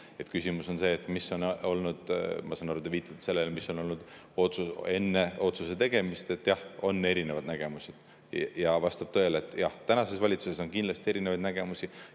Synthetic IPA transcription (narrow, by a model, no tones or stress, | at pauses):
e̞t̪kysʲimuso̞nse̞ːt̪ːˑmiso̞no̞lnud̪̥mɑsɑnɑɾud̪eviːt̪ːˑɑt̪se̞lːelemisːo̞no̞lnud̪̥ | o̞t̪sue̞nːe̞o̞t̪suse̞t̪e̞ɡ̥e̞mist̪e̞t̪ːˑjɑho̞nːe̞ɾine̞vɑd̪næɡ̥e̞musʲed̪̥ | jɑvɑst̪ɑb̥t̪øelet̪ːˑjɑht̪ænɑse̞svɑlʲit̪suse̞s̬o̞nkind̪lɑst̪ie̞ɾinevɑd̪næɡ̥e̞musʲi